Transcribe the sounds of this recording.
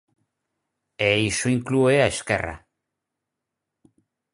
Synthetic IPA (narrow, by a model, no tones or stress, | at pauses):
ejsuiŋklueaeskḛra̰